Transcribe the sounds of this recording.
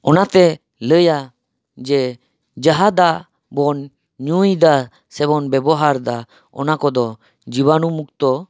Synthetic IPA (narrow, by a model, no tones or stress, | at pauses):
ɔnat̪ɛ | ləja | d͡ʒɛ | d͡ʒaɦad̪a | bɔn | ɲujd̪a | sɛbɔnbɛbɔɦaɾd̪a | ɔ̰nakɔd̪ɔ | d͡ʒiβanumuk̚t̪ɔ